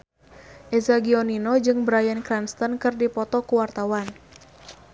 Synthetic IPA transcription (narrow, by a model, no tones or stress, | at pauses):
ʔɛzaɡiɔninod͡ʒɨŋbəɾajankɾanst̪ənkɨrdipɔt̪ɔkuwart̪awan